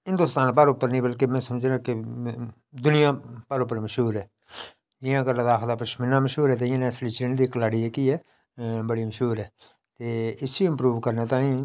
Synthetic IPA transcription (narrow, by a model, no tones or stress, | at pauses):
ɦɪ̃nd̪oːst̪aːnpəɾʊpːəɾnĩːbəlkemɛ̃ːsəmd͡ʒeãːkɪ | d̪ʊnɪjãːpəɾʊpːəɾməʃɦuːɾɛː | d͡ʒɪjãːɡəɾləd̪aːkʰld̪aːpəʃmɪnãːməʃɦuːɾɛːt̪eːɪjãːnɛ̃ːsliːt͡ʃɾeːnd̪iːkəlaːɽiːɛːkiːɛː | bəɽiːməʃɦuːɾɛː | t̪eːɪsiɪmpɾuːʋkəɾnẽːt̪ãːĩː